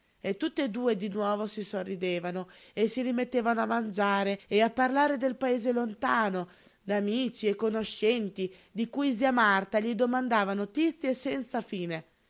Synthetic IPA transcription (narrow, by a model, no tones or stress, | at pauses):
et̪ːut̪ːeːd̪uːed̪inwɔːvosisorːid̪eːvano | esiɾimet̪ːeːvanoamand͡ʒaːɾeeapːarlaːɾed̪elpaeːzelont̪aːno | d̪amiːt͡ʃiekːonoʃːɛnt̪id̪ikujzjamart̪aʎid̪omand̪aːvanot̪it̪sːjesɛnt̪safiːne